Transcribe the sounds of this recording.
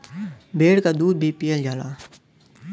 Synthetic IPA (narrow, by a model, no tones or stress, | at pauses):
bʱeːɽkaːd̪uːd̪̚bʱiːpijəld͡ʒaːlaː